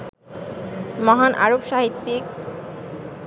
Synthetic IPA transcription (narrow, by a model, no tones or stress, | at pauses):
mɔɦanʔa̰ɾobʃaɦit̪ːik